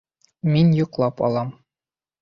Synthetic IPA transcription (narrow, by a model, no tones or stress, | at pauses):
minjŭqlˠɑpɒ̰lˠɑm